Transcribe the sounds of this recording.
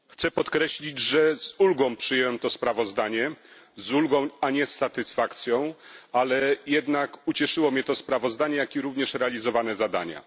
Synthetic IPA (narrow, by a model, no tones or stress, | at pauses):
xt̪sɛpɔt̪kɾɛɕlʲid͡ʑʐɛz̥ulɡɔ̃w̃pʂɨjɛwɛmt̪ɔspɾavɔzd̪aɲɛzulɡɔ̃w̃aɲɛsːat̪ɘsfakt̪sʲjɔ̃w̃alɛjɛd̪nakut͡ɕɛʂɘwɔmɲɛt̪ɔspɾavɔzd̪aɲɛjakʲiɾuvɲɛʂɾɛalʲizɔvanɛzad̪a̰ɲa̰